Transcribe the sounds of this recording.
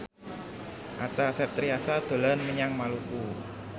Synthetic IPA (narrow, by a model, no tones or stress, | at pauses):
ʔa̰t͡ʃasɛt̪ɾiasad̪̥o̤lanməɲaŋmaluku